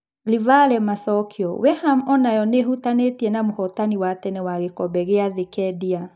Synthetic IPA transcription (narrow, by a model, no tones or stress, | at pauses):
livalɛmasɔkʰiɔwɛhamɔnajɔnehutanetiɛnamohɔtaniwatɛnɛwaɣekɔbɛɣeaðekɛdia